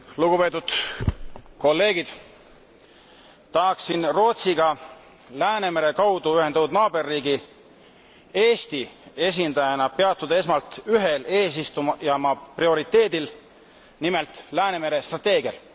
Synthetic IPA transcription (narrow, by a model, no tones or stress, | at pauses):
luɡ̥upe̞ːt̪ːˑud̪̥ | ko̞lːe̞ːɡ̥id̪̥ | t̪ɑɦɑksinro̞ːt̪siɡɑ | læːneme̞ɾe̞kɑwd̪uyhend̪ɑt̪ːud̪nɑːbe̞rːiːɡi | e̞ːst̪ie̞s̬ʲind̪ɑjɑnɑpe̞ɑt̪ˑːud̪ɑe̞smɑlt̪yɦe̞le̞ːs̬ist̪umjɑmɑprio̞ɾit̪ːˑe̞ːd̪̥il | nimelt̪ˑlæːne̞me̞ɾe̞st̪rɑt̪ːˑeːɡ̥iɑl